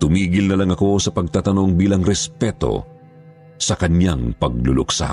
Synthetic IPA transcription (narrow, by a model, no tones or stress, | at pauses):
t̪ʊmiːɡɪlnɐlɐŋɐko̞sɐpɐɡ̚t̪aːt̪ɐno̞ŋbiːlɐŋɾɛspɛt̪o̞̰ | sɐkɐɲjaŋpɐɡ̚lʊlʊksa̰